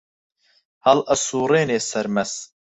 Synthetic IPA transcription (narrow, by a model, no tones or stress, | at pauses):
hɐlʔɐsuːɾeːneːsɐɾmɛs